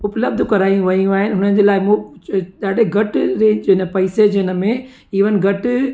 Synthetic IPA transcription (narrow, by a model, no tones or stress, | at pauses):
ʊpləb̚d̪ʱkɐɾaːĩũʋɐijuaːɦɪnɪɦʊnənd͡ʑeːlaːɪmũɗaːɗeɡʱɐʈɾed͡ʑɪnəpɐɪsed͡ʑɪnə̆mẽ | iːʋənɪ̆ɡʱɐʈ